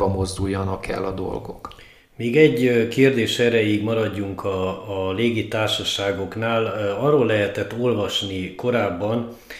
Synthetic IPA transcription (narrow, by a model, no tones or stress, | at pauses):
bɒmo̞zd̪ujːɒnɒkʰɛ̰lːɒd̪o̞̰lɡo̞k | miːɡɛɟkeːrd̪eːʃɛɾɛjiɡmɒɾɒɟːuŋkʰɒleːɡit̪aːrʃɒʃaːɡo̞knaːlɒrːoːlːɛɦɛt̪ɛt̪ːo̞lvɒʃniko̞ɾaːbːɒn